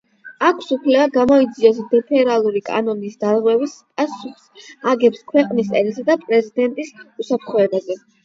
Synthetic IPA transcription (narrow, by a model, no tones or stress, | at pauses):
akʷʰsupʰlɛvaɡamɔid̪ziɔs̬d̪ɛpʰɛɾalˠuɾikʼa̰nɔnisd̪aɾʁwɛvispʼasuχsaɡɛpskʰwɛqʼnisʼɛlisad̪apʼɾɛzid̪ɛnt̪ʼisusapʰɾt̪χwɔɛbazɛ